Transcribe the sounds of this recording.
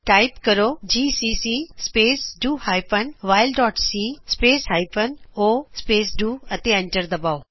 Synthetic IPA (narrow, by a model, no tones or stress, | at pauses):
ʈaːɪpkɐɾod͡ʑiːsisiːspeːsɖuːhaːjpənʋaːɪlɖɔːʈsispeːsɦaːjpənoːspeːsɖuːɐt̪eɐ̃ɳʈəɾd̪ɐbaːo